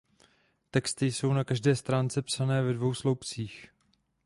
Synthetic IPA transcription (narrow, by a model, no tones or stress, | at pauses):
t̪ɛkst̪ɪjso̞wnakaʒdɛːst̪ɾaːnt͡sɛpsanɛːvɛdvo̞wslo̞wpt͡siːx